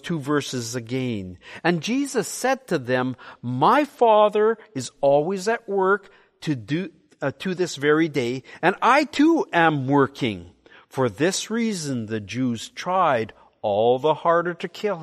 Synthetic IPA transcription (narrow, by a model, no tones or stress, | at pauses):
tʰuvɜ˞sɨzɨɡɛ̃nɨ̃nd͡ʒizɨsɛd̚tʰɨðɨ̃mːaɪfɑðə˞ɨzɔlˠwizɨʔ̚wɜ˞k | tʰɨdɨ | ɾʰɨðɪsvɛɹideɪɨ̃naɪtʰuɨ̃mwɜ˞kʰɪ̰̃ŋ | fə˞ðɪsɹizɨ̃nðɨd͡ʒʉz̥tʰɹ̥aɪɾ | ɔlˠðəhɑɹɾə˞ɾɨkʰɪlˠ